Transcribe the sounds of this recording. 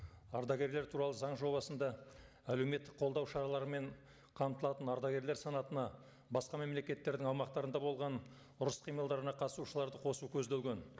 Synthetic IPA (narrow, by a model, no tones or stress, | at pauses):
ɑɾd̪ɑɡʲe̞ɾle̞ɾt̪ʰuɾɑlˠəzɑɴʒo̞bɑsənd̪ɑ | æle̞wme̞t̪ːɪk̚qʰolˠd̪ɑwʃɑɾɑlˠɑɾəme̞ɴ | qʰɑmt̪əlˠɑt̪ənɑɾd̪ɑɡʲe̞ɾleɾsɑnɑt̪ənɑ | bɑsqɑme̞mle̞kʲe̞t̪ːe̞ɾd̪ɪŋɑwmɑqt̪ɑɾənd̪ɑbo̞lˠʁɑn | ʊɾəsqʰijmɑlˠd̪ɑɾənɑqʰɑt̪əsuʃəlˠɑɾd̪əqʰo̞sukʲʰɵzd̪elɡʲen